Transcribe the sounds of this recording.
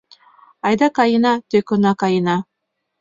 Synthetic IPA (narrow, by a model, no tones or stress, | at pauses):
ajd̪akainat̪ekɯnakaina